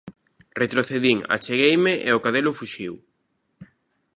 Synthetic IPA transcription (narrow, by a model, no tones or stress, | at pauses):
ret̪ɾoθeðiŋa̰t͡ʃeɣejmɪʔeokaðelʊfuʃiw